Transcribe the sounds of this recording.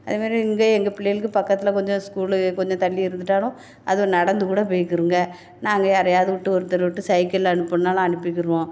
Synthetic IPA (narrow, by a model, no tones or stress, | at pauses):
ɐðeːmaːd̪ɾĩɪŋɡɐɛŋɡɐpɪɭːɐjɪlkːɯpɐkːɐt̪ːɪlɐkɔɲd͡ʒɔ̃skuːlkɔɲd͡ʒɔ̃t̪ɐɭːɪɪɾɯnd̪ɯʈːaːnʊ̃ | ʔɐ̰ðɯnɐɽɐnd̪ɯkuːɽɐp̬oːjkːɯɾɯŋɡɐ | naːŋɡɐɐɾɐjaːðɯʋɪʈːɯɔɾɯt̪ːɐɾɐʋʊʈːɯsɐɪkɐlɐɳɯpːɐnnːaːlɐ̃ɐnɯpːɪkːɪɾɯʋõː